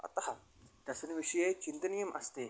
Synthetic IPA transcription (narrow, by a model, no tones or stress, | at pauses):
ɐ̰t̪ɦa | d̪̥asənʋiʂəjet͡ɕint̪ənijəmʔɐst̪e